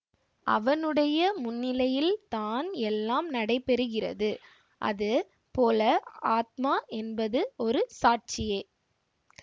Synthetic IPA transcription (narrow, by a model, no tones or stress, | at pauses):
ʔɐ̰ʋɐnɯɽɐjɐmʊnːɪlɐjɪlt̪aːnɛlːaːmnɐɽɐɪpːɛɾɯɣɪrɐ̰ðɯ | ʔɐ̰ðɯ | poːlɐaːt̪̚maːʔɛnbɐðɯɔɾɯsaːʈ̚t͡ʃɪjeː